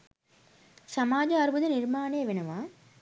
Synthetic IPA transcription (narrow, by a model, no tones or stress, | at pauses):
sɐmaːd͡ʒɐɐɾbɯðɐnɪɾmaːneːʋɪnɐʋaː